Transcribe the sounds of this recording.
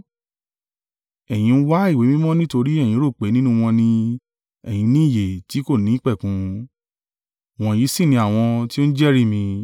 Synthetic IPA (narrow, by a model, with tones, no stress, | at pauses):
ɛ˨j̃ĩ˧n̩˦wa˦i˦˨we˨˦mĩ˦mɔ̃˦nĩ˦to˧ɾi˦ɛ˦˨j̃ĩ˨˧˦ɾo˦˨k͡pe˨˦nĩ˦nũ˦w̃ɔ̃˧nĩ˧ | ɛ˨j̃ĩ˧nĩ˦˨je˨ti˨˦ko˦˨nĩ˨˦k͡pɛ˦˨kũ˨˦ | w̃ɔ̃˧ji˨˦si˦˨nĩ˧a˦˨w̃ɔ̃˧ti˦o˦n̩˦d͡ʒɛ˦˨ɾi˦˨mĩ˧